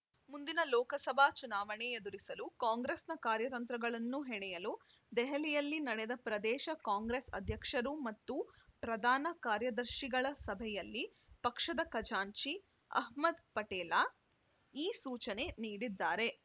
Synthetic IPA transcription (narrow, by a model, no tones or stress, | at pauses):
mund̪inɐlɔːkɐsɐbʱaːt͡ʃunaːʋɐɳeed̪uɾisɐlukaːŋɡɾesnɐkaːɾjɐt̪ɐnt̪ɾɐɡɐɭɐnːuɦɛɳɛjɐlu | d̪ɛɦɐlijɐlːinɐɽɛd̪ɐpɾɐd̪ɛːʃɐkaːŋɡɾesɐ̰d̪ʱjɐkʂɐɾumɐt̪ːupɾɐd̪ʱaːnɐkaːɾjɐd̪ɐɾʃiɡɐɭɐsɐbʱɛjɐlːi | pɐkʂɐd̪ɐkɐd͡ʒaːɲt͡ʃi | ɐ̰ɦmɐd̪pɐʈɛːla | iːsuːt͡ʃɐne̞niːɽid̪ːaːɾe̞